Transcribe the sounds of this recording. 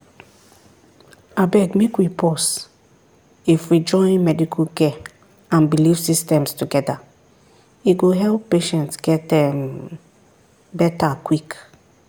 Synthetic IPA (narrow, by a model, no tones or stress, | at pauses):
abɛɡmekwipʰɔs | ifwid͡ʒɔ̃ɪ̃nmɛdikʰukɛ | ãnbilivsistɛ̃mstuɡɛda | iɡoɦɛlpːeʃɛ̃ntsɡɛtɛm | bɛtakwik